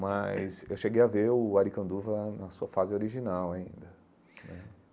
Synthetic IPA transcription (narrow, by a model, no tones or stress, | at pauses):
majsewʃeɡejaveʊaɾikɐ̃nd̪uvɐnɐsuɐfazɪoɾiʒinawaḭ̃nd̪ɐ | nɛ